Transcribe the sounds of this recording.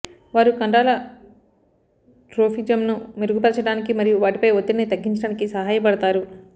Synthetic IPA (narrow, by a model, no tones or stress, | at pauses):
ʋaːɾukɐɳɖaːlɐ | ʈɾoːpʰid͡ʒɐmnumeɾuɡupɐlɐt͡ʃɐɽaːnikimɐɾijuʋaːʈipɐjod̪ːɐnit̪ɐɡːiɲt͡ʃɐɽaːnikisɐɦaːjɐp̬ɐɽɐt̪aːɾu